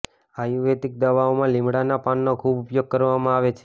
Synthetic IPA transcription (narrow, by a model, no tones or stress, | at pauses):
ajuʋet̪ik̚d̪əʋaomãlimɽanapanːokʰubʊpjoɡ̚kəɾʋamãaʋet͡ʃʰe̥